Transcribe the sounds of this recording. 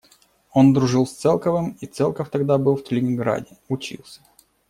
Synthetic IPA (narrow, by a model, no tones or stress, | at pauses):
o̞nd̪ɾʊʐɨlˠsʲt̪sɛlˠkəvɨmit̪sɛlˠkəft̪ɐɡd̪abɨlˠft̪ʲəlʲɪnʲɪnɡɾa̰dʲɪʊt͡ɕḭlˠsʲə̥